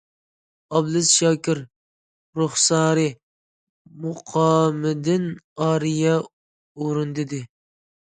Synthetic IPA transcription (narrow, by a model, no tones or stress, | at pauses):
ɑblˠɨsʃɑkʲɪɾ | ɾoχsɑːɾɪ | mʊqʰɑːmɪd̪ɪnɑːɾijɛ | oɾɨnd̪ɪd̪ɪ